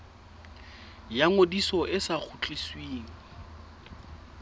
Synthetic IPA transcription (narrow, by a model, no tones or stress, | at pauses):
jaŋodisɔʔɪsak͡xʰut͡ɬʼiswiːŋ̩